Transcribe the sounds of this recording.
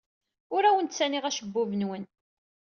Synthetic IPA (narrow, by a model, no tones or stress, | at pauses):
ʊɾæwənt̪t͡sːæniʁæʃəbːʊvənwən